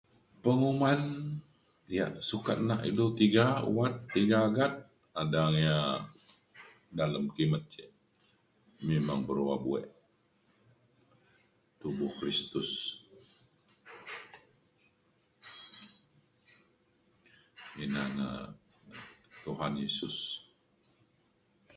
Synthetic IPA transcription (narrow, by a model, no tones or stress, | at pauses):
pəŋuman | dija̰ʔsukat̪̚naʔḭlut̪iɡauwat̪ːiɡaːɡat̪̚ | adaŋja | daləmkimət̪̚t͡ʃɛʔ | memaŋbəɾwabuɛ̰ʔ | t̪ubʊhkɾist̪ʊs | inaŋa̰ | t̪uɦanjesʊs